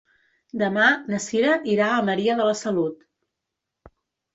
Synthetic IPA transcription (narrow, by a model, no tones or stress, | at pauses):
d̪əmanəsiɾəʔiɾaəməɾiəðələsəlut̪